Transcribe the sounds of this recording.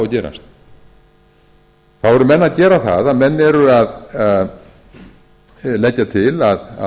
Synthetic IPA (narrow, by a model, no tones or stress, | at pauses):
acɛːɾa̰st̪ | θawɛɾʏmɛnːaðcɛːɾaθa̰ðaðmɛnːɛɾʏaða | lɛcːat̪ʰɪlað̰